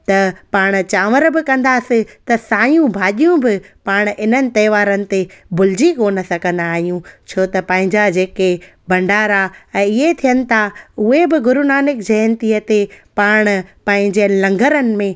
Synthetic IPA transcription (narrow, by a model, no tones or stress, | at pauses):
t̪ɐpaːɽ̃t͡ɕaːʋəɾbɪkɐ̃nd̪aːsɪ̃t̪ɐsaːjũbʱaːɗijũbɪpaːɽ̃ʔɪnənɪ̆t̪ɐːʋaːɾənɪ̆t̪ebʊl̤ɪd͡ʑikoːnɐsɐɡʱə̃nd̪aːɦijũt͡ɕʰoːt̪ɐpɐ̃ɦɪ̃ɲd͡ʑad͡ʑeːke | bɐ̃ɳɖaːɾaɛ̃ːɪɦet̪ʰijənɪ̆t̪ʰaʊɦebɪɡʊɾʊnaːnɪk̚d͡ʑɐjənt̪iːət̪epaːɽ̃pɐ̃ɦɪ̃ɲd͡ʑeənɪlɐ̃ŋɡʱəɾənɪ̆mẽ